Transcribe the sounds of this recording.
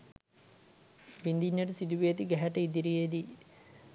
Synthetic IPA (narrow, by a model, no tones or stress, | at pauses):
ʋind̪iɲːɐʈəsid̪uʋejɐt̪iɡɛɦɐʈɐid̪iɾijed̪i